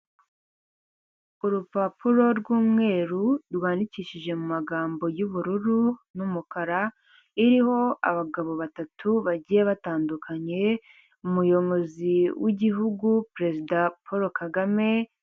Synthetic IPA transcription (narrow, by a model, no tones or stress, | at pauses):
uɾupapuɾo̞ɾɡuːmŋe̞ːɾuɾwaːndiciːʃiʒe̞mumaɡaːmbo̞juβuɾuɾunumukaɾa | iɾiho̞a̰βaɡaβo̞βatatʰuβaɟijeβataːndukʰaɲe̞ | umujo̞βo̞ziwiɟiɦuɡupɾe̞zidapʰoɾo̞kaɡame̞